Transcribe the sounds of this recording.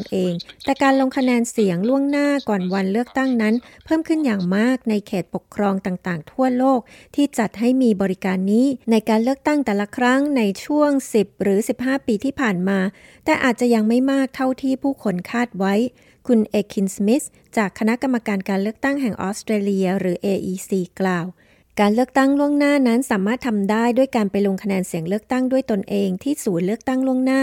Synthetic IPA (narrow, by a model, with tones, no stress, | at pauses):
nʔeː˧ŋt̪ɛː˨˩kaː˧nlo˧ŋkʰa˧nɛː˧nsi˨˩˦əŋlu˥˩əŋnaː˥˩kɔː˨˩nwa˧nlɯ˥˩ək̚t̪a˥˩ŋna˦˥npʰɤː˥˩mkʰɯ˥˩njaː˨˩ŋmaː˥˩k̚na˧jkʰeː˨˩t̪̚po˨˩kʰːɾɔː˧ŋt̪aː˨˩ŋt̪aː˨˩ŋt̪ʰu˥˩ɐloː˥˩k̚t̪ʰiː˥˩t͡ɕa˨˩t̪̚ɦa˥˩jmiː˧bɔː˧ɾi˦˥kaː˧nːiː˦˥na˧jkaː˧nlɯ˥˩ək̚t̪a˥˩ŋt̪ɛː˨˩la˧˥kʰɾa˦˥ŋna˧jt͡ɕʰu˥˩əŋsi˨˩p̚ɾɯː˩˦si˨˩p̚ɦaː˥˩piː˧t̪ʰiː˥˩pʰaː˨˩nmaː˧ | t̪ɛː˨˩ʔaː˨˩t̪̚t͡ɕa˨˩ja˧ŋma˥˩jmaː˥˩k̚t̪ʰa˥˩wt̪ʰiː˥˩pʰuː˥˩kʰo˧nkʰaː˥˩t̪̚wa˦˥j | kʰu˧nʔeː˧kʰi˧nsmi˦˥t̪̚ | t͡ɕaː˨˩kʰːa˧na˦˥ʔka˧mːa˧kaː˧nkaː˧nlɯ˥˩ək̚t̪a˥˩ŋɦɛ˨˩ŋʔɔ̰ː˦˥st̪ɾeː˧li˧ɐɾɯː˩˦ʔeː˧ʔiː˧siː˧klaː˨˩w | kaː˧nlɯ˥˩ək̚t̪a˥˩ŋlu˥˩əŋnaː˥˩na˦˥nsaː˩˦maː˥˩t̪ʰːa˧mdaː˥˩jdu˥˩əjkaː˧npa˧jloː˧ŋkʰa˧nɛː˧nsi˩˦əŋlɯ˥˩ək̚t̪a˥˩ŋdu˥˩əjt̪o˧nʔeː˧ŋt̪ʰiː˥˩suː˨˩˦nlɯ˥˩ək̚t̪a˥˩ŋlu˥˩əŋnaː˥˩